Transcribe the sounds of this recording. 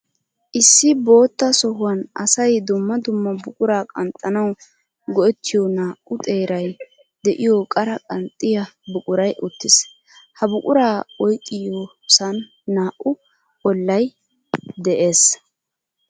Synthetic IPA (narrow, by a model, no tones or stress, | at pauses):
ʔɪsːɪbo̞ːt̪ːɐsɔhʊwɐnʔɐsɐjd̪ʊmːɐd̪ʊmːɐbʊkʼʊɾaːkʼɐnt̪ʼːɐnɐw | ɡɔɛt̪ːɪjɔnaːʔʊt̪ʼe̞ːɾɐj | d̪ɛʔɪjɔkʼɐɾɐkʼɐnt̪ʼːɪjɐbʊkʼʊɾɐjʔʊt̪ːɪs | hɐbʊkʼʊɾaːɔjkʼːɪjo | sɐnː | aːʔʊ | ɔlːɐj | d̪ɛʔe̞ːs